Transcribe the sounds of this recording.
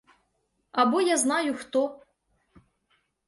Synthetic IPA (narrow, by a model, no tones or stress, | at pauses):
ɐbɔjaznajʊxt̪ɔ